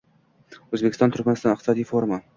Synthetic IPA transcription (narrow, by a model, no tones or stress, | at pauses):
ɵzbekʰʲɪst̪ɒnt̪ʰʊɾkʲmanɪst̪ɒnɪqt̪ɪsɒd̪ijfoɾma